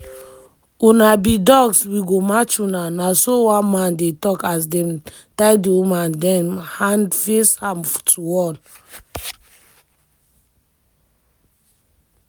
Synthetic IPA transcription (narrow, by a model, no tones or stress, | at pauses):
unabidɔɡswiɡomat͡ʃunanasowãnmãndetɔkas̬dɛm | tajdiumãndɛnhãndfeshãmftʰuwɔn